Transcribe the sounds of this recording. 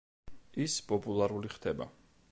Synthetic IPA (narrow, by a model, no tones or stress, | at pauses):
ispʼɔpʼulˠaɾuliχd̪ɛba̰